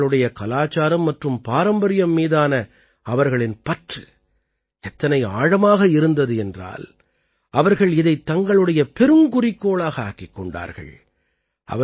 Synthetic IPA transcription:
ɭɯɽɐjɐkɐlaːt͡ʃːaːɾɐmːɐʈrɯmpaːɾɐmbɐɾɪjɐmːiːðaːnɐ | ɐʋɐɾɣɐɭɪnpɐʈrɯ | ɛt̪ːɐnɐɪa̰ːɻɐmaːɣɐɪɾɯnd̪ɐðɯɛndra̰ːl | ɐʋɐɾɣɐɭɪðɐɪt̪ːɐŋɡɐɭɯɽɐjɐpɛɾɯmkʊrɪkːoːɭaːɣɐaːkɪkːɔɳɖa̰ːɾɣɐ̰ɭ | ʔɐ̰ʋɐ

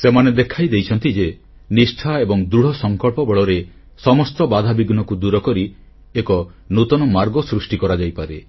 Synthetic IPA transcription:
semaned̪ekʰajd̪ejt͡ʃʰɔnt̪id͡ʒe | nisʈʰaebɔŋd̪ɾuɽ̤ɔsɔŋkɔɭpɔbeɭɔɾe | sɔmɔst̪ɔbad̪ʱabiɡnɔkud̪uɾɔkɔɾi | ekɔnut̪ɔnɔmaɾɡɔsɾusʈikɔɾad͡ʒajpaɾe

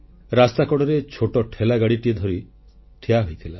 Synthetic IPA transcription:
ɾast̪akɔɽɔɾet͡ʃʰoʈɔʈʰelaɡaɽiʈied̪ʱɔɾi | ʈʰiaɦojt̪ʰila

